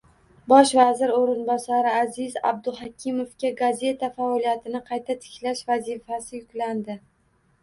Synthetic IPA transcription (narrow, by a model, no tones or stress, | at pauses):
bɒʃvazɪɾoɾɪnbɒsaɾɪazɪza̰b̚d̪ʊɦakʲʰɪmofkʲaɡazʲe̞t̪ʰafaɒlijat̪ʰɪnɪqʰɑjt̪ʰat̪ʰɪ̥kʲlaʃvazifasɪjʊkʲland̪ɪ